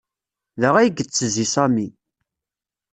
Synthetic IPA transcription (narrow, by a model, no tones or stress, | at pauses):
ðəʁæjəɡət͡sːəzisæmi